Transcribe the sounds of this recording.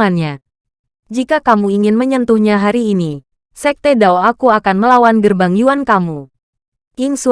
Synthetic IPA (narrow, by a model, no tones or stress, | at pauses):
anɲa | d͡ʒikakamuiŋɪnməɲənt̪uhɲaɦaɾiːni | sɛk̚t̪edaoakuakanməlawanɡərbaŋjuankamu | jiŋsu